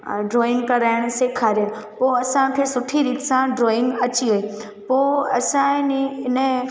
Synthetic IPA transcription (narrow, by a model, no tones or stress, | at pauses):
ɖɾoːɪ̃ŋkɐɾaːɪɽ̃seːkʰaːɾjãpoːɐsãkʰesʊʈʰiɾiːt̪sãɖɾoːɪ̃ŋɡɐt͡ɕiɦoi | poːɐsãniɪnə